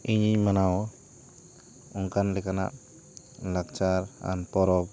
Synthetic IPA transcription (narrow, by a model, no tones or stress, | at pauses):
iɲiɲmanaw | uŋkanlɛkana̰ʔ | lak̚t͡ʃaɾa̰npɔɾɔp̚